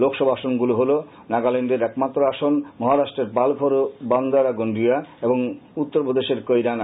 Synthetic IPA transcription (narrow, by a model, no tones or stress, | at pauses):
lokʃɔbaʃonɡuloɦolo | naɡaleɳɖeɾɛkmat̪ːɾoaʃonmɔɦaɾaʃʈɾeɾpalpʰoɾoband̪ʱaɾaɡoɳɖiaeboŋut̪ːoɾpod̪eʃeɾkojɾan